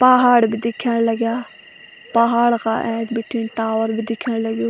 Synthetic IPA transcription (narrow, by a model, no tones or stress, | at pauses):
paɦaːɽbid̪ɪkʰəɽ̃ləɡjaː | pɐɦaːɽka̰ːʔɛ̃ːkbɪʈʰiːnʈaːʋəɾbʱid̪ɪkʰəɽ̃ləɡjoː